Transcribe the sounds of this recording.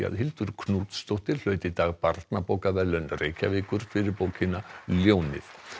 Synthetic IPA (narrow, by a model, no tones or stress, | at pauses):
a̰ðɦɪlt̪ʏɾ̥kʰnuːt̪st̪owht̪ɪɾ̥l̥œːɥt̪ɪt̪aːɣpaɾt̪napowkavɛlœnːreːjcʰavɪːkʏɾ̥fɪɾɪɾpowcʰɪnaljoːwnɪ̰θ